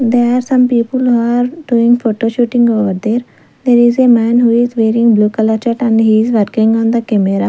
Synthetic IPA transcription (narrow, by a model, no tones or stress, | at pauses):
d̪eɾaːɾsɐ̃mpiːpəluaɾɖuːɪ̃ŋɡfoːʈoʃuːʈɪ̃ŋɡoːʋəɾd̪eːɾ | d̪eːɾizemæ̃ːnɦuːɪzʋeːɾɪ̃ŋɡbluːkələt͡ʃəʈɛ̃ɳɖɦiːzʋəɾkɪ̃ŋɡɔ̃nd̪əkɛmeɾa